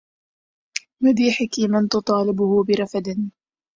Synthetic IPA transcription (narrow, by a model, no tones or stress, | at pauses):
mad̪iːħɪkimant̪ʊt̪ˤɑːlɪbʊhʊbɪɾˤɑfad̪ɪn